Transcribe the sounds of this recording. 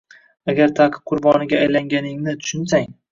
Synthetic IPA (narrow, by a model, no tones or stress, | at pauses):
aɡʲaɾt̪ʰaːqʰɨ̥p̚qʰʊɾbɒnɪɡʲaːjlaŋɡʲanɪŋnɪt̪ʰʊ̥ʃɪnsaŋ